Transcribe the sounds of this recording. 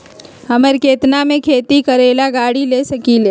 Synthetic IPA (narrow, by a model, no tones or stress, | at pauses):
ɦɐməɾkeːt̪namẽkʰeːt̪ikəɾeːlaɡaːɽileːsɐkileː